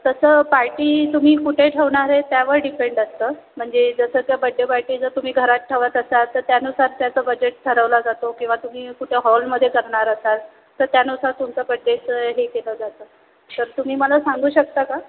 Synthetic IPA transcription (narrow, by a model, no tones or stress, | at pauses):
t̪əsəːpaɾʈiːt̪um̤iːkuʈʰeʈʰəʋɳaɾet̪jaʋəɾɖifeɳɖast̪əː | m̤əɳd͡zed͡zəsəːt̪jabəɖʱːjəpaɾʈiːd͡zəɾt̪um̤iːɡʱəɾat̪̚ʈʰəʋat̪əsat̪ːəɾt̪janusaɾt̪jat͡səːbəd͡ʑeʈ̚ʈʰəɾəʋlad͡zat̪okĩw̃ʋat̪um̤iːkuʈʰeɦɔlməd̪ʱːjekəɾɳaɾat̪at̪ | t̪ːəɾt̪janusaɾt̪umt͡səpəɖːesɦekeləd͡zat̪əː | t̪əɾt̪um̤iːməlasaŋɡuːɕək̚t̪aka